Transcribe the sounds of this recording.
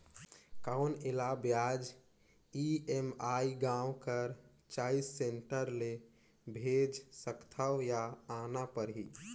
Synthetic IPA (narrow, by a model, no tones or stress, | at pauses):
kaʊnelabjad͡ʒ | iemaiɡãwkəɾ | t͡ʃaisːeɳʈəɾle | bʱed͡ʒsəkt̪ʰawjaːnapəɾɦi